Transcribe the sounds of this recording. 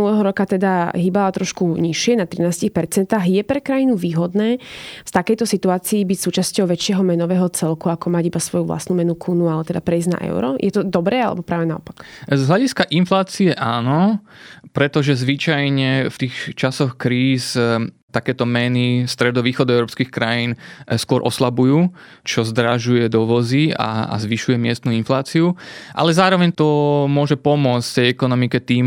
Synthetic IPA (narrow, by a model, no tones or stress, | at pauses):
nulɛɦɔɾɔkat̪ɛd̪aɦiːbalat̪ɾɔʃkuɲiʃɪɛnat̪ɾinaːscixpɛɾt͡sɛnt̪aːɣjɛpɾɛkɾajinuʋiːɦɔd̪nɛːfst̪akɛjt̪ɔsit̪uaːt͡siːbicsuːt͡ʃascɔʊʋɛt͡ʃɪɛɦɔmɛnɔʋɛːɦɔt͡sɛlkuakɔmaɟibasʋɔjuvla̰stnuːmɛnukʰunualɛt̪ɛd̪apɾɛizna̰ʔɛ̰ʊɾɔ̰jʔɛt̪ɔd̪ɔbɾɛːalɛ̰bɔpɾaːʋɛnaɔ̰pakzɦlaɟiskaʔinflaːt͡siɛʔaːnɔ | pɾɛt̪ɔʒɛzʋit͡ʃajɲɛft̪iːxt͡ʃasɔxkɾiːs | t̪akɛːt̪ɔmɛnist̪ɾɛd̪ɔʋiːxɔd̪ɔɛʊɾɔːpskiːxkɾajiːnskʊɔɾʔɔ̰slabujuːt͡ʃɔzd̪ɾaʒujɛd̪ɔʋɔzia̰a̰zʋiʃujɛmɪɛst̪nuinflaːt͡siuʔa̰lɛzaːɾɔʋɛɲt̪ɔmʊɔʒɛpɔmʊɔt͡s̪ft̪ɛjɛkɔnɔmikɛt̪iːm